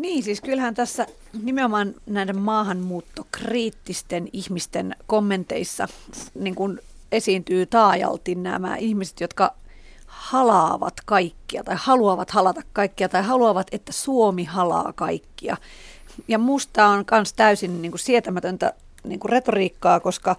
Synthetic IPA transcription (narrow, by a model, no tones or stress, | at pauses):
niːnsiːskylhænt̪æsːæ | nimeomɑːnnæidemmɑːhɑnmuːt̪ːokriːt̪ːist̪enihmist̪enkomːent̪ḛisːɑ̰niːŋkun | esiːnt̪yːt̪ɑːjɑ̰lt̪innæ̰mæ̰ihmise̥t̪jot̪kɑ | hɑlɑːʋɑ̰t̪kɑikːiɑt̪ɑihhɑluɑʋɑt̪hɑlɑt̪ɑkkɑikːiɑt̪ɑihɑluɑʋɑt̪et̪ːæsuomihɑlɑ̰ːkɑikːiɑ̰jɑmust̪ɑːonkɑnst̪æysinniːŋkusiet̪æmæt̪ønt̪æ̰ | nḭŋkuret̪oriːkːɑːkoskɑ